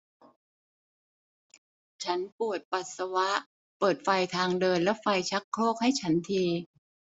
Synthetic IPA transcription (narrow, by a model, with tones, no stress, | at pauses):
t͡ɕʰa˦˥npu˨˩ət̪̚pa˨˩t̪̚sa˧wa˦˥ʔ | pɤː˨˩t̪̚fa˧jt̪ʰaː˧ŋdɤː˧nlɛ˦˥fa˧jt͡ɕʰa˦˥kʰːloː˥˩k̚ha˥˩jt͡ɕʰa˦˥nt̪ʰiː˧